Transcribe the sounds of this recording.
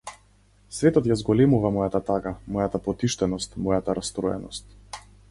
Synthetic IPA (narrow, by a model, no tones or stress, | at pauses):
svɛt̪ɔt̪jazɡɔlɛmuvamɔjat̪at̪aɡamɔjat̪apɔt̪iʃt̪ɛnɔst̪mɔjat̪aɾast̪ɾɔjɛ̰nɔst̪̚